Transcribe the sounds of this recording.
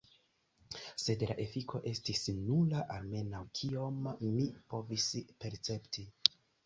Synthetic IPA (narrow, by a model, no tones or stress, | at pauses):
se̞dla̰ʔe̞fikʰo̞ʔe̞stisnulaʔalme̞nawkʰio̞mːipo̞vispe̞ɾt͡se̞ptʰi